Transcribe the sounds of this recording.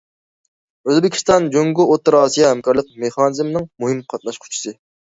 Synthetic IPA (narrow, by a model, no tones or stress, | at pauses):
øzbɪkʲi̥st̪ɑnd͡ʒoŋɡʊot̪ːɨɾɑːsijɛɦæmkɑɾlˠəq̚meχɑnɨzmnɨŋmuɦɨmqʰɑt̪̚nɑʃqʰʊ̥t͡ʃʰi̥sɨ